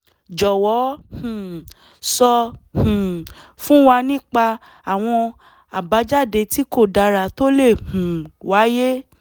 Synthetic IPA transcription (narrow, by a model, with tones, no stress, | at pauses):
d͡ʒɔ˨wɔ˨˦hũ˨ | sɔ˧hũ˨fũ˦wa˧nĩ˦k͡pa˧ | a˨w̃ɔ̃˧ | a˨ba˨˦d͡ʒa˦˨de˧ti˨˦ko˦˨da˧ɾa˧˨to˦le˦˨hũ˨wa˨˦je˦